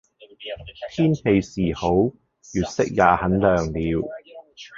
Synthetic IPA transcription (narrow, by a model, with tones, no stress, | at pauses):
t̪ʰiː˥np̪ʰe˧jsiː˨˩ho˨˥w | jyː˨t̚sɪ˥k̚jaː˨˧hɐ˨˥nlœː˨˩ŋliː˨˧w